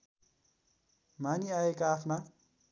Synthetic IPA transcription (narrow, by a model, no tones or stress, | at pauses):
maniaekaːpʰna